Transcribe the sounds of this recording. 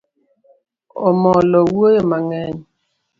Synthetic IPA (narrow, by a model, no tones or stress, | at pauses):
ɔ̰mɔlɔwuojomaŋɛn